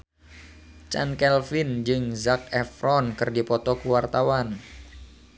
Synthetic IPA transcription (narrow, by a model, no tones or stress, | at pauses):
t͡ʃa̰nkɛlfɪnd͡ʒɨŋzak̚ɛfɾɔnkɨrdipɔt̪ɔkuwart̪awan